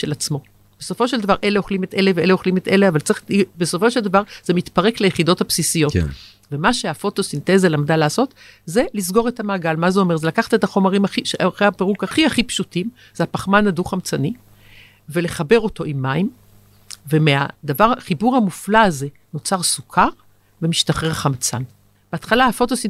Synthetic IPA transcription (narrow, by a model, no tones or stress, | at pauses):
ʃe̞lat͡smo̞ | b̥eso̞fo̞ʃe̞ld̪avaʁʔe̞leo̞χlime̞tʔe̞leveeleo̞χlime̞t̪eleavalt͡sʁiχibeso̞fo̞ʃeld̪avaʁz̥e̞mit̪paʁe̞klejeχido̞thapsisijo̞t | ve̞maʃeafo̞to̞sinte̞zalamdalaːso̞t | ze̞lisɡo̞ʁe̞thamaːɡalmazeo̞me̞ʁze̞lakaχḁtetaχo̞maʁimaχiʃeaχeapeʁukaχiaχipʃutim | z̥eapaχmanaduχamt͡sani | ve̞le̞χabe̞ʁo̞to̞ʔimːaim | vemea̰d̪avaʁχibuʁhamuflaːze̞ | no̞t͡saʁsukʰaʁ | ve̞miʃtaχeʁχamt͡sa̰n | b̥eat̪χalaafo̞to̞sin